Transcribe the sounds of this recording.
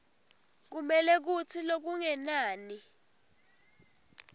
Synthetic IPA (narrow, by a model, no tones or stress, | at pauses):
k̬umɛlɛk̬utʰilok̬uŋɛnaːni